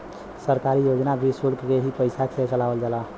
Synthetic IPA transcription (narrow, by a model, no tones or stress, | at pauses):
səɾkaɾijod͡ʒnabʱisulkkeɦipəjsat͡ʃʰɛt͡ʃəlaʋəld͡ʒala